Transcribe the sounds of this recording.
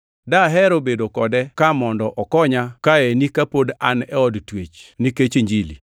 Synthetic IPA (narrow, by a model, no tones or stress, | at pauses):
daɦɛɾobedokɔdɛkamɔndɔʔɔkɔɲakaenikapodanɛɔdtwet͡ʃniket͡ʃeɲd͡ʒilḭ